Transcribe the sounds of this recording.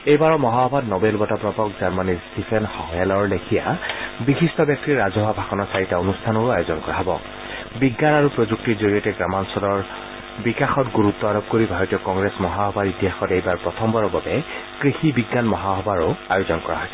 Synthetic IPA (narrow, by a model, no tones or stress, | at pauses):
ejbaɹɔmɔɦaɦɔbʱadnɔbelbɔtapɹɔpɔkzaɹmanistipʰɛnhɔɛlɔɹlekʰija̰bixistɔbjak̚tiɹːazɔɦabʱakɔnɔsaɹitaonustʰanɔɹʊajozɔnkɔɹaɦɔbɔ̰ | biɡːanaɹupɹozuk̚tiɹzoɹijɔtɛɡɹamansɔlɔɹ | bikaxɔtɡuɹut̪ːɔaɹɔp̚koɹibʱaɹɔtiɔkɔŋɡɹesmɔɦaɦɔbaɹitiɦaxɔtejbaɹpɹɔtʰɔmbɔɹɔbabɛkɹixibiɡːanmɔɦaɦɔbaɹʊajozɔnkɔɹa̰ɦɔjsɛ